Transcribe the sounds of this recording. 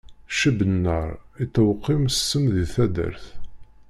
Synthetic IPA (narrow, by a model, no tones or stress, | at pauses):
ʃəbənːəɾˤit̪ːəwqːimsːəmðiθæd̪ə̰ɾθ